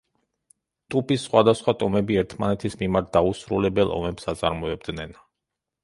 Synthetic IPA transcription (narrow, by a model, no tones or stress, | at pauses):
t̪ʼupʼisːχwad̪asχwat̪ʼɔmɛbiɛɾt̪ʰmanɛt̪ʰismimaɾt̪̚d̪ausɾulɛbɛlˠʔɔ̰mɛpsat̪sʼa̰ɾmɔɛb̚d̪nɛn